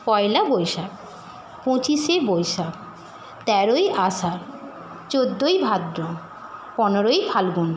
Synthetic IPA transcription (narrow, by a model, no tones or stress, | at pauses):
pɔelabojʃa | põt͡ɕiʃebojʃa | t̪ɛɾojʔaʃa | t͡ɕod̪ːojbʱad̪ɾo | pɔnoɾojpʰalɡun